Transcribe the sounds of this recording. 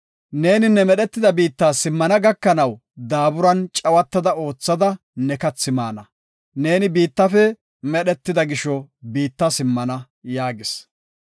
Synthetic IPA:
ne̞ːnɪnːɛmɛɗɛt̪ːɪd̪ɐbiːt̪ːaːsɪmːɐnɐɡɐkːɐnɐw | d̪aːbʊɾɐnt͡ʃʼɐwɐt̪ːɐd̪ɐo̞ːt͡sːɐd̪ɐ | nɛkɐt͡sːɪma̰ːnɐ | ne̞ːnɪbiːt̪ːɐfɛ | mɛɗɛt̪ːɪd̪ɐɡɪʃɔbiːt̪ːɐsɪmːɐnɐ | jaːɡɪs

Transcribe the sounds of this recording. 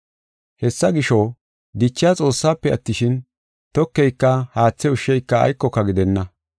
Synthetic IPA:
hɛsːɐɡɪʃɔ | d̪ɪt͡ʃːɪjat͡sʼo̞ːsːaːpːɛɐt̪ːɪʃɪn | t̪ɔkːɛjkːɐhaːt͡sːɛʊʃːɛjkːɐɐ̰jkːɔkːɐɡɪd̪ɛnːɐ

